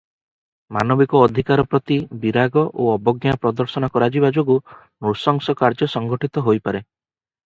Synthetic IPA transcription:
manɔbikɔːd̪ʱikaɾɔpɾɔt̪ibiɾaɡɔʔoɔbɔɡjapɾɔd̪ɔɾsɔnɔkɔɾad͡ʒibad͡ʒoɡu | nuɾsɔŋsɔkaɾd͡ʒɔsɔŋɡɔʈit̪ɔɦojpaɾe

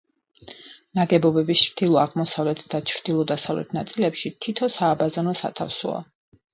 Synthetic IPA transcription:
naɡɛbɔbɛbist͡ʃʰɾd̪̥ilˠɔaʁmɔsavlɛt̪ʰd̪̥at͡ʃʰɾd̪̥ilˠɔd̪asavlɛ̰t̪ʰnat̪sʼilɛpʃit̪ʰit̪ʰɔsaːbazanɔsa̰t̪ʰa̰fsɔ̰a̰

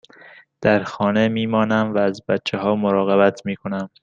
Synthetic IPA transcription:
d̪̥æɾxɒːnemiːmɒːnæmvæːzbæt̪t͡ʃʰːeɦɒːmoɾɒːɣebæt̪ʰmiːkʰo̞næm

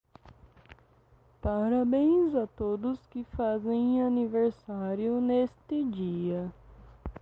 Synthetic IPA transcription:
paɾabẽj̃zɐt̪od̪ʊskɪfazẽj̃aniveɾsaɾjʊnest̪ɪd͡ʒiɐ

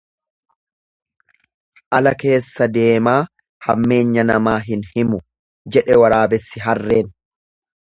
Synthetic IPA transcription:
ʔɐlɐke̞ːsːɐd̪e̞ːmaː | hɐ̰mːe̞ːɲːɐnɐmaːɦɪnhɪmʊ | d͡ʒɛᶑɛwɐɾaːbɛsːɪɦɐrːe̞ːn

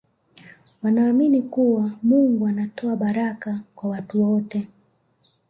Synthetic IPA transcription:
wanaːminikuwamuŋɡuanatʰɔaɓaɾakakwawatuwɔtɛ

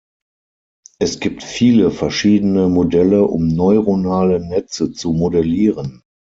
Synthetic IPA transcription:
ʔɛsɡ̥iːptfiːləfɛɐʃiːdənəmodɛləʔʊ̰mnɔʏʁonaːlənɛt͡sət͡sumodɛliːʁən

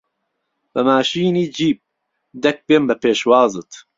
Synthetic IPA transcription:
b̥ɐmaːʃiːniːd͡ʒiːp̚ | d̪ɛk̚beːmbɐpeːʃwaːzɨt̪

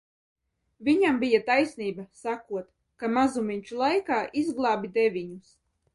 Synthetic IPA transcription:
vʲiɲambijat̪ajsʲniːbasakuɔt̪ | kamazumʲiɲʲt͡ʃulˠajkaːʔizɡlˠɑːbʲid̪evʲiɲus

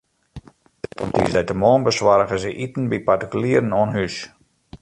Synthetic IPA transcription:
dḭsdɛjtəmɔːnbəswaɾəɣəsəʔitn̩bipartikyliəɾənoənɦys

